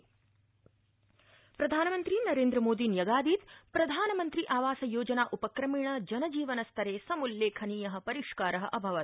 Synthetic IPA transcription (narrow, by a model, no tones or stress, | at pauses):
pɾɐd̪ʱaːnɐmɐnt̪ɾinɐɾeːnd̪ɾɐmoːd̪injɐɡaːd̪iːt̪pɾɐd̪ʱaːnɐmɐnt̪ɾiʔaːʋaːsɐjoːd͡ʒɐnaːʔupɐkɾɐmiːɳɐd͡ʒɐnɐd͡ʒiːʋɐnɐst̪ʰɐɾeːsɐmulːeːkʰɐniːjɐɦɐ̆pɐɾiʂkaːɾɐɦɐʔɐbʱɐʋɐt̪̚